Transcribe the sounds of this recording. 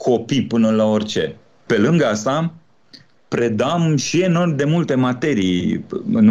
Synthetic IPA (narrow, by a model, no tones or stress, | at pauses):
kʰo̞pipɨnəlao̞rʲt͡ʃe̞̰ | pe̞lɨŋɡast̪a | pɾe̞d̪amʃie̞no̞rd̪e̞mult̪e̞mat̪e̞ɾijn